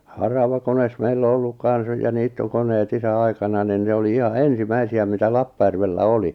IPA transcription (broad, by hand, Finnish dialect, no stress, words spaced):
hɑrɑʋɑkones meilː o olːuk kɑn̞s jɑ niːtːokoneːt isæ ɑikɑnɑ nin ne oli ihɑ ensimæisiæ mitæ lɑpːɑjærʋelːæ oli